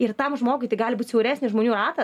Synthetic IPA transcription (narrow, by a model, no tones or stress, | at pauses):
ɪrt̪ɐmʒmoːɡʊɪt̪ɐɪɡɑːlʲɪbuːt̪ʲsʲɛʊɾʲæːsʲnʲɪʒmoːnʲuːrɑːt̪ɐ